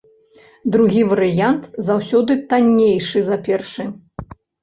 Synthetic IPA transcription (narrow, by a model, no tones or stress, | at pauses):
d̪ɾuɣʲivɐɾɨjant̪zawsʲɔd̪ɨt̪anʲːejʂɨzapʲɛrʂɨ